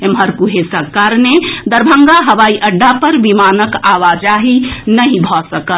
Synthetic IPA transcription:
emɦəɾkuɦesəkːaɾned̪əɾbʱəŋɡaɦəʋaːiʔəɖːapəɾʋimanəkaʋad͡ʒaɦinəɦĩbʱɔsəkət̪

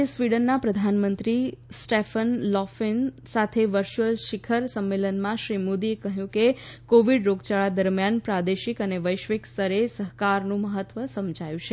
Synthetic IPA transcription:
esʋiɽənːapɾəd̪ʱanmənt̪ɾisʈefənlɔfin | sat̪ʰeʋəɾt͡ʃuəlʃikʰəɾsəmːelənmãʃɾimod̪iekəɦjũkekoʋiɽɾoɡt͡ʃaɭad̪əɾmjanpɾad̪eʃikəneʋəjʃʋikst̪ʰəɾesəɦkaɾnũməɦət̪ʋəsəmd͡ʒʱajũt͡ʃʰe

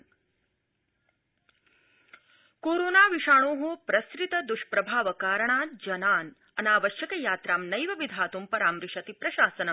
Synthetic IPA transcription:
koːɾoːnaːʋiʃaːɳoːɦopɾɐskɾit̪ɐd̪uʃpɾɐbʱaːʋɐkaːɾɐɳaːd͡ʒɐnaːn | ɐnaːʋɐʃjɐkɐjaːt̪ɾaːmnɐjʋɐʋid̪ʱaːt̪umpɐɾaːmɾiʃɐt̪ipɾɐʃaːsɐnɐ

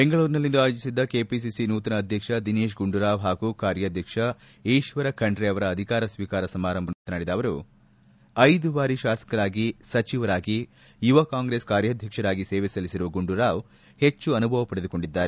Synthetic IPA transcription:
be̞ŋɡɐɭuːɾinɐlːind̪uaːjoːd͡ʒisid̪ːɐke̞ːpis̬isinuːt̪ɐnɐːd̪ʱjɐkʂɐd̪ineːʃɡuɳɖuɾaːʋɦaːɡukaːɾjɐːd̪ʱjɐkʂɐ | ejʃʋɐɾɐkɐɳɖɾeɐʋɐɾɐːd̪ʱikaːɾɐsʋiːkaːɾɐsɐmaːɾɐmbʱɐnut̪ɐnaːɽid̪aːʋɐɾu | ɐjd̪ubaːɾiʃaːsɐ̥kɐɾaːɡisɐt͡ʃiʋɐɾaːɡi | juʋɐkaːŋɡɾe̞ːskaːɾjaːd̪ʱjɐkʂɐɾaːɡiseːʋesɐlisiɾuʋɐɡuɳɖuɾaːʋ | he̞t͡ʃːuɐnubʱɐʋɐpɐɽed̪uko̞ɳɖid̪ːaːɾe

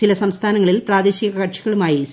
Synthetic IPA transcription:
ilɐsɐmst̪ʰaːnɐŋːɐɭilpraːd̪eːɕiɣɐkɐʈʂiɣɐɭumaːjis

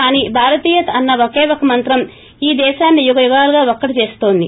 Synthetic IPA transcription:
kaːniːbʱaːɾɐt̪iːjɐt̪ɐɐnːɐʋokeːʋokɐmɐnt̪ɾɐm | iːd̪ɛːʃaːnːijuɡɐjuɡaːluɡaːokːɐɽit͡ʃe̞ːsu̥t̪o̞ːnd̪ḭ

